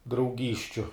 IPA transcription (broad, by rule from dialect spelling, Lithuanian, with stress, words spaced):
drɐʊˈɡʲiːsʲt͡ʃʲʊ